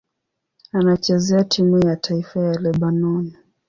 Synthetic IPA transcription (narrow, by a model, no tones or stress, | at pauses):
anat͡ʃɛzɛatʰimujatʰaifajalɛɓanɔni